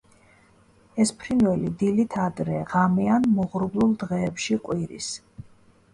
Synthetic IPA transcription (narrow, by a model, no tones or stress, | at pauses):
ɛspʰɾinwɛlid̪ilit̪ʰad̪ɾɛʁamianmɔʁɾblˠulˠd̪ʁɛːpʃiqʼwiɾḭs